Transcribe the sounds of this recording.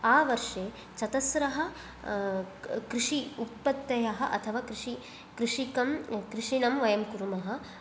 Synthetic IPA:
aːʋɐɾʂeː | t͡ʃɐt̪ɐsɾɐɦɐ̆ | kɾiʂiut̪̚pɐt̪ːɐjɐɦɐ̆ʔɐ̰t̪ʰɐʋaːkɾiʂi | kɾiʂikɐmkɾiʂinɐmʋɐjɐmkuɾumɐɦɐ̆

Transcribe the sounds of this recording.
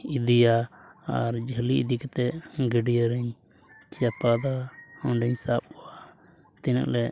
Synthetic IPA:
id̪ijaaɾd͡ʒʱəliḭd̪ikɛt̪ɛɡəɖijaɾɛɲ | t͡ʃapad̪aɔɳɖɛɲsap̚kɔwa | t̪ɛna̰ʔlɛ

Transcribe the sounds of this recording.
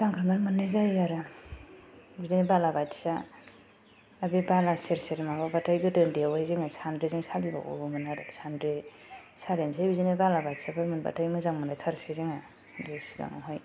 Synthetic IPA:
zaŋkʰɾɯmaɾmɯnːɯzajaɾɯ | bizinebalabatsa | bibalaseɾseɾmababatʰajɡɯtɯndewajziŋasandɾeziŋsaliba̰wo̰bɯmɯnaɾɯsandɾe | saɾens̬ʰajbizinebalabatsabɯɾmɯnba̰tʰajmɯzaŋmɯnajtʰaɾseziŋa | desiɡa̰ŋa̰ɦɔj

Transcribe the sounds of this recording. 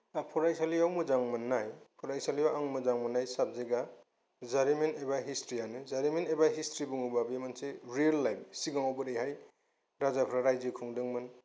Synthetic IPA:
apʰɔɾajsaliawmɯzaŋmɯnːajpʰɔɾajsalijawaŋmɯzaŋmɯnːajsap̚zeɡa | zaɾimentebaɦistɾianɯzaɾimentebaɦistɾibuŋubabemanseɾialːajp̚siɡaŋɔbɯɾejɦaj | ɾazapʰɾaɾajzɯkʰuŋdɯŋmɯn

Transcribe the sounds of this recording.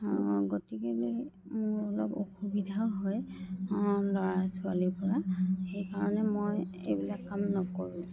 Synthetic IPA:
ɔ̃ɡotikelejmʊɹɔlɔbo̰xubidʱaɦɔj | lɔɹasualipɔɹaxejkaɹɔnɛmoj | ḛjbilakːamnɔkoɹũ

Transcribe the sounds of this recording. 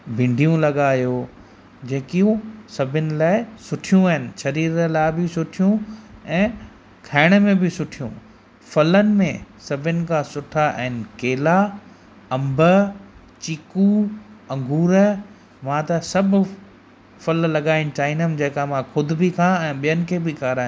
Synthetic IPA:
bʱɪ̃ɳɖʱijũlɐɠaːjoː | d͡ʑeːkijũsɐbʱɪnɪ̆laːɪsʊʈʰijũəɦɪnɪ̆ʃɐɾiːɾəlaːɪbɪsʊʈʰijũɛ̃ː | kʰaːɪɽ̃ə̆mẽbɪsʊʈʰijṵ̃ | fɐlənɪ̆mḛ̃sɐbʱɪnɪ̆kʰãsʊʈʰaʔɛɦɪnɪ̆keːla | ɐ̃mbʱə | t͡ɕikuɐ̃ŋɡʱuːɾə | mãt̪ɐsɐbʱʊ | fɐllɐɠaːɪnɪ̆t͡ɕaːɪnəmd͡ʑɐːkamãxʰʊd̪ʱbɪkʰãɛ̃ːɓijənɪ̆kʰeːbɪkaːɾaːɦj̃

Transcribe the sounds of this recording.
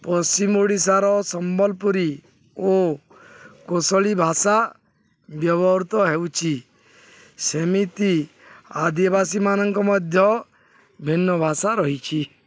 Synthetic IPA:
pɔst͡ʃimoɽisaɾɔsɔmbɔlpuɾi | o | kosɔɭibʱasa | bjɔbɔɾt̪ɔɦewt͡ʃʰi | semit̪i | ad̪ibasimanɔŋkɔmɔd̪ʱjɔ | bʱinːɔbʱasaɾɔɦit͡ʃʰi

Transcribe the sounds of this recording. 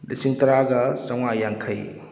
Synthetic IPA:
lḭsiŋtɐɾaɡɐsɐwŋajaŋkʰɐj

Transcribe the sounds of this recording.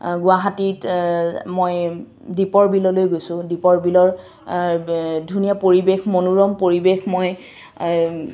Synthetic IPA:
ɡʊaɦatit | moj | dipɔɹbilɔlojɡojsʊ̃dipɔɹbilɔɹ | dʱunijapoɹibexmonuɹɔmpoɹibexmoj

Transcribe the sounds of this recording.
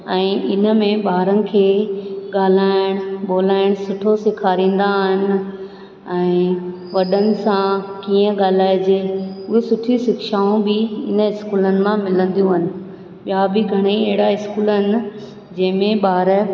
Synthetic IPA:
ɛ̃ːʔɪnə̆mẽɓaːɾənɪ̆kʰeːɠaːl̤aːɪɽ̃ɓoːlaːɪɽ̃sʊʈʰosɪkʰaːɾĩːn̆d̪aɦɪnɪ̆ | ɛ̃ː | ʋɐɗənɪ̆sãkiːə̃ɠaːlaːjd͡ʑeːʊɦesʊʈʰisɪkʃaːũbɪɪnəɪskuːlənɪ̆mãmɪlə̃nd̪ijũɦʊnɪ̆ | ɓjabɪɡʱɐɽ̃eiɛɦɪɽaɪskuːləɦɪnɪ̆ | d͡ʑɐ̃ɦɪ̃mẽɓaːɾ

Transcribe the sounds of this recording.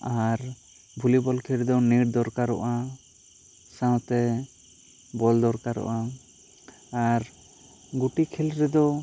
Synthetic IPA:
aɾ | bʱulibɔlkʰɛlɾɛd̪ɔniɾd̪ɔɾkaɾɔʔa | sãwt̪ɛ | bɔld̪ɔɾkaɾɔ̰ʔa | ɾ | ɡuʈikʰɛlɾɛd̪ɔ

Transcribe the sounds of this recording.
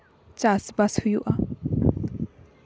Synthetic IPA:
t͡ʃasbashujuʔa

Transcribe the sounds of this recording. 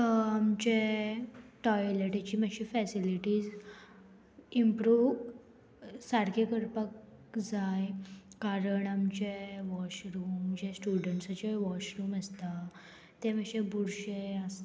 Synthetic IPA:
amt͡ɕe | ʈɔjleʈet͡ɕiːmaɕifɛsiliʈiːd͡z | impɾuːʋ | saɾkʰekəɾpək | d͡zajkaɾəɳamt͡ɕeʋɔɕɾuːmd͡ʑesʈuɖəɳʈsat͡ɕeʋɔɕɾuːməst̪a | t̪eməɕebuɾɕeəst̪

